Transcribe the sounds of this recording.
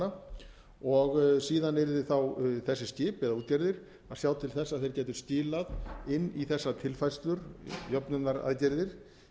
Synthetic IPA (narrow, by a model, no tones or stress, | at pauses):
a | ɔɣsiːðanɛɾðɪθawθɛsːɪscɪːpɛðauːt̪̚cajɾðɪɾ̥ | aðsjaːwt̪ʰɪlθɛsːaːðθejɾcɛːt̪ʏɾ̥sc̪ɪːlaðɪnːiθɛsːat̪ʰɪlfajst̪lʏɾ̥jœpnʏnːaɾa̰ðcɛɾðɪɾ̥